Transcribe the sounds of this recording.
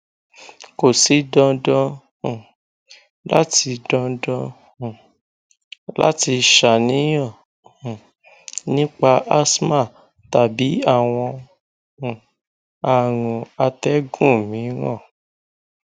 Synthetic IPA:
ko˨si˨˦dɔ̃˧dɔ̃˧˨ | la˦ti˧dɔ̃˧dɔ̃˧˨ | la̰˦ti˧ʃa˨nĩ˨˦j̃ɔ̃˦˨ | nĩ˦k͡pa˧ʔa˦sma˦˨ | ta˨bi˨˦a˦˨w̃ɔ̃˧˨ | a˨ɾ̃ũ˨a˧tɛ˦ɡũ˦˨mĩ˨˦ɾ̃ɔ̰̃˦˨

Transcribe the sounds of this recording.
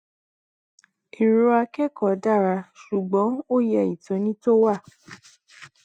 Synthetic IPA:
i˨ɾo˧a˧kɛ˦kɔ˨da˦˨ɾa˧ʃu˨ɡ͡bɔ̃˨˦o˦jɛ˧˨i˨tɔ̃˨˦nĩ˦to˦wa˦˨

